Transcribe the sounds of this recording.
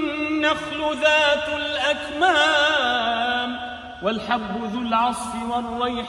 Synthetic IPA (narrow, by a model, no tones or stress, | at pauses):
aflʊðaːt̪alʔakmaː | m | walħabːʊðʊlʕɑsˤfɪwɑrˤːɑjħ